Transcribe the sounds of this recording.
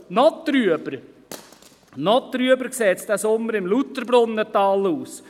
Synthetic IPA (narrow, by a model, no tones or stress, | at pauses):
nɔt̪ɾyəbəɾ | nɔt̪ːɾyəbəɾkseːt̪sd̥̪æsʊmːəɾɪmlut̪əɾbɾʊnːətɑːluːs